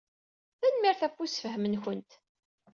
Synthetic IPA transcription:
θænmiɾθæfːusfəhəmənçənt̪

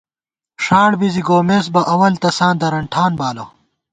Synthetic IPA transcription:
ʂaːɽbiziɡoːmeːs̬bɐʔɐwɐlt̪ɐsãːnd̪ɐɾɐɳʈʰaːnbaːlɐ

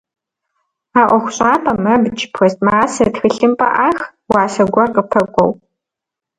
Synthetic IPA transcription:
aːʔʷɔxʷɕʼaːpʰʼɐmɐbɨt͡ʃʰʼɪ̥pʰwɔstʼmaːsɐtxɨɬɨmpʼɐ̰ʔaːx | waːsɐɡʷɐqʼəpʰɐkʷʼɔ̰w

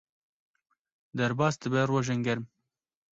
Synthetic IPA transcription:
d̪ɛɾbɑːsd̪ɨbɛrwoʒɛŋɡɛɾm

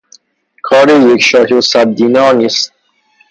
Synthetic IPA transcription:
kʰɒːɾejekʃɒːkʰosæb̚d̪iːnɒːniːst̪̚

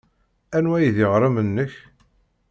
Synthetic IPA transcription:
ænwæjðɪʁɾˤəmənːəç

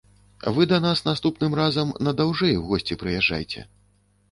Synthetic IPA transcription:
vɨd̪ɐnasnast̪upnɨmrazɐmnɐd̪awʐɛjwɣɔsʲt͡sʲipɾɨjaʐːa̰jt͡sʲɛ̰

